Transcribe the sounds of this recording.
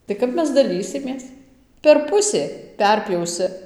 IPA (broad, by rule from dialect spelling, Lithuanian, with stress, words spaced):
tɐɪ ˈkɐp ˈmʲɛs dɐˈlʲiːsʲɪmʲeːs pʲɛr ˈpʊsʲeː ˈpʲɛrʲpʲjɛʊsʲɪ